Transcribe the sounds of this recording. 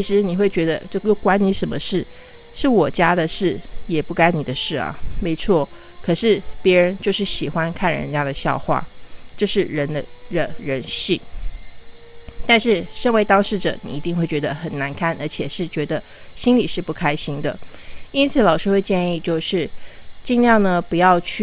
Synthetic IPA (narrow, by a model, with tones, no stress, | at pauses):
t͡ɕʰi˧˥ʂɻ̩˧˥ni˨˩xwe˥˩ɪt͡ɕɥɛ˧˥d̪ə̰˧t͡ɕo˥˩ʊjo˥˩ʊkwa˥nni˧˥ʂə˧˥nmə̰˧ʂɻ̩˥˩ | ʂɻ̩˥˩wɔ˨˩t͡ɕja˥d̪ə˨ʂɻ̩˥˩jɛ˨˩pu˥˩ka˥ɪni˨˩d̪ə˦ʂɻ̩˥˩ɐ̰˩me˧˥ɪt͡sʰwɔ˥˩ | kʰɤ˨˩ʂɻ̩˥˩pjɛ˧˥ɻə˧˥nt͡ɕjo˥˧ʊʂɻ̩˥˩ɕi˨˩xwa˥nkʰa˥˩nɻə̰˧˥nt͡ɕja˥d̪ə˨˩ɕjɑ̰˥˧ʊxwa̰˥˩t͡ɕjo˥˧ʊʂɻ̩˥˩ɻə˧˥nd̪ə˧də˧ɻə˧˥nɕi˥˩n | t̪a˥˧nʂɻ̩˥˩ʂɤ˥˧ŋwe˥˩ɪt̪ɑ˥ŋʂɻ̩˥˩ʈ͡ʂɤ̰˨˩nḭ˨˩i˧˥t̪i˥˧ŋxwe˥˩ɪt͡ɕɥɛ˧˥d̪ə˧xə˨˩nna˧˥nkʰa˥˩nə˞˧˥t͡ɕʰjɛ˨˩ʂɻ̩˥˩t͡ɕɥɛ˧˥d̪ə˧ | ɕi˥nli˨˩ʂɻ̩˥˧pu˥˩kʰa˥ɪɕi˥ŋd̪ə̰˨i˥nt͡sʰɹ̩ɨ˨˩˦lɑ˨˩ʊʂɻ̩˥xwe˥˧ɪt͡ɕjɛ˥˧ni˥˧t͡ɕjo˥˧ʊʂɻ̩˥˩t͡ɕi˥˧ŋljɑ˥˩ŋnə˨pu˨˧jɑ˥˧ʊt͡ɕʰy˥˩